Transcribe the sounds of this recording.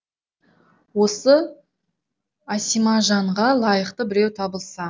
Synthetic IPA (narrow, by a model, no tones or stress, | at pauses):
wo̞sə | asijmɑʒɑɴʁɑlˠɑjəqt̪əbɪɾe̞wt̪ʰɑbəlˠsɑ